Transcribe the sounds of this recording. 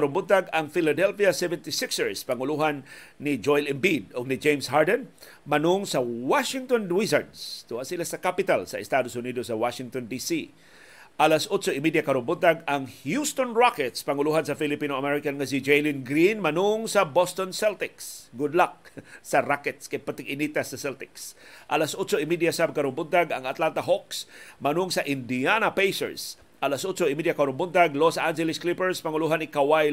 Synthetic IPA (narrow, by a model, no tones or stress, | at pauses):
ɾʊnbʊd̪̚t̪aɡaŋfɪlad̪ɛlfiasɛvɛ̃nt̪isɪksəɹspaŋʊluɦanːid͡ʒojlɪmbid̪ʊɡ̚nɪd͡ʒẽjmsɦaɹdan | manʊŋsawaʃɪŋt̪ɔndwis̬a̰ɹd̪st̪uhaʔsilasakapɪt̪alsɐʔɪst̪ad̪osʊnid̪osːawaʃɪŋt̪ond̪isi | ʔalasʔʊt͡ʃoɪmid̪jakɐɾʊmbʊt̪aɡaŋhjust̪onɹakɛt̪spɐŋʊluɦansɐfɪlɪpinoɐmɛɹɪkanŋas̬ɪd͡ʒejlɪnɡɾinmɐnʊŋsɐbɔst̪onsɛlt̪ɪksɡʊd̪lak̚sɐɾakɛt̪skajpat̪ɪɡʔɪnit̪asːɐsɛlt̪ɪksʔɐlasʔʊt͡ʃoɪmid̪jasabkɐɾʊmbʊnd̪aɡɐŋɐt̪lant̪aɦɔksmɐnʊŋsɐʔɪnd̪ianapejsɛ̰ɹs | ʔalasʔʊtt͡ʃoɪmidjakɐɾʊmbʊnd̪aɡlosʔand͡ʒɛlɪsklipɛɹspaŋʊluɦanɪkawaj